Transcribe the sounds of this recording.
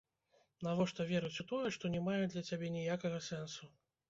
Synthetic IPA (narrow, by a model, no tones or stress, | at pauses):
navɔʂt̪ɔvʲɛɾut͡sʲut̪ɔjɛʂt̪ɔnʲɛmajɛd̪lʲɐt͡sʲabʲɛnʲijakɐɣɐsɛnsu